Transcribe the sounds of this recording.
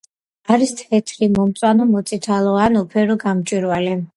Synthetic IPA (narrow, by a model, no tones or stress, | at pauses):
aɾist̪ʰɛt̪ʰɾimɔmt̪sʼwanɔmɔt̪sʼit̪ʰalˠɔanupʰɛɾɔɡamt͡ʃʼwiɾvalɛ